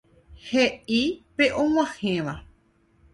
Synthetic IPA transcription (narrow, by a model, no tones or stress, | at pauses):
heʔipeʔõw̃ãhẽʋa